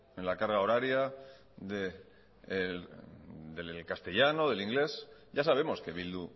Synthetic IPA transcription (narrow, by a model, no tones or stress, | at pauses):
enlakaɾɣao̞ɾaɾja | ðe | d̪elkast̪e̞ʎano̞ðe̞liŋɡle̞sɟ͡ʝasaβ̞e̞mo̞ske̞βild̪u